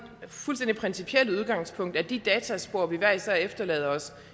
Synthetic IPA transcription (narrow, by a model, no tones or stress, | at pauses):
fulsd̥end̥ipʰʁɛnsipʰieluð̞ˠɡ̥ɑ̈ŋ̰spʰɔ̽ŋ̰d̥æɐd̥id̥ɛːt͡sʰæsb̥o̝ɐ̰ʋiʋæɐisɛefd̥ɐlɛ̰ːð̞ˠɐɒ̽s